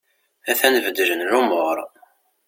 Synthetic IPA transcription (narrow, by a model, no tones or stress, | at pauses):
æθænvəd̪əʒənɾʊmʊʁɾˤ